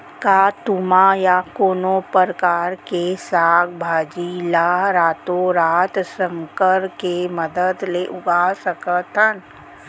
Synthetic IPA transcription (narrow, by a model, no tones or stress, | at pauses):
kaːt̪umajakoːnopəɾkaːɾkesaːɡbʱaːd͡ʒilaɾaːt̪oɾaːt̪sə̃ŋkəɾkeməd̪əd̪leʔʊɡasəkət̪ʰən